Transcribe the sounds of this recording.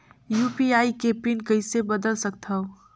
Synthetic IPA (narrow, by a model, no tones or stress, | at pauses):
juːpiaːikepinkəɪsebəd̪əlsək̚t̪ʰao